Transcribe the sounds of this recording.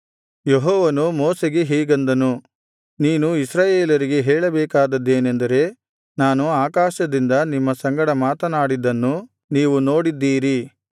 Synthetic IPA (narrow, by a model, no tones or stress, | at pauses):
jeɦɔːʋɐnumoːseɡeɦiːɡɐnd̪ɐnu | niːnuisɾaːjeːlɐɾiɡe̞ɦɛːɭɐbɛːkaːd̪ɐd̪ːe̞ːnend̪ɐɾe̞ | naːnuaːkaːʃɐd̪ind̪ɐnimːɐsɐŋɡɐɽɐmaːt̪ɐnaːɽid̪ɐnːu | niːʋuno̞ːɽid̪ːiːɾi